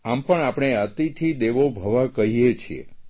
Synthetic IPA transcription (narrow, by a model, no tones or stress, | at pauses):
ampəɳapɳ̃eət̪it̪ʰid̪eʋobʱəʋakəɦijet͡ʃʰiḛ